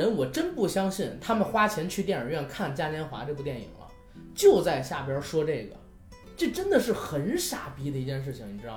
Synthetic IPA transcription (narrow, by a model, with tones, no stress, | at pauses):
ə˧˥nwɔ˨˩ʈ͡ʂə˥npu˥˩ɕjɑ˥ŋɕi˥˩nt̪ʰa˥mə˨nxwa˥t͡ɕʰjɛ˧˥nt͡ɕʰy˥˧t̪jɛ˥˩nə˞˨˩ɥɛ˥˧˩nkʰa˥˩nt͡ɕja˥njɛ˧˥nxwa̰˧˥t͡ɕe˥˧pu˧jɛ˥˩nḭ˨˩ŋlə̰˦ | t͡ɕjo˥˧ʊt͡sa˥˧ɪɕja˥˩pjɑ˥ʂwɔ˥ʈ͡ʂe˥˩ɪɡə̰˩ | ʈ͡ʂe˥˩ʈ͡ʂə˥nd̪ə˨ʂɻ̩˥˩xə˧˥nʂa˥˩pi˧˥d̪ə˧i˧˥t͡ɕjɛ˥˧nʂ̬ɻ̩˥˩t͡ɕʰɪ˧˩ŋni˨˩ʈ͡ʂɻ̩˥ɑ˥˩